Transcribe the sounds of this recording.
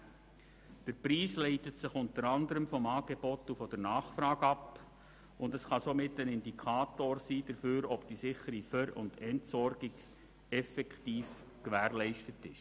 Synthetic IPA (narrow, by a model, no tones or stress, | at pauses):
d̥əɾpriːslɛɪtətsɪχʊntəɾɑndəɾəmfɔmɑːɡ̥eb̥ɔtufɔd̥əɾnɑːχfɾɑːɡɑp | ʊndəsχɑsomɪtːənɪndikʰɑːtoːrsiːd̥əɾføːɾɔb̥d̥isɪχəɾifœɾʊ̰ndɛntsɔɾɡɪɡ | ɛfɛkχtiːf | kʋæːrlɛɪʃtətɪʃ